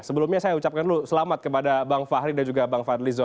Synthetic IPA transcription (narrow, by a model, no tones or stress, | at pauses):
səbəlumɲasajaut͡ʃap̚kanlusəlamat̪̚kəpadabaŋfaɦɾidand͡ʒuɡabaŋfarlizɔ